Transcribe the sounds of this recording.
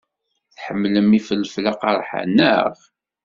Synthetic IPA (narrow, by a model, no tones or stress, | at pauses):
θħəmːləmːifəlːflaqɑɾˤħa̰nə̰ʁ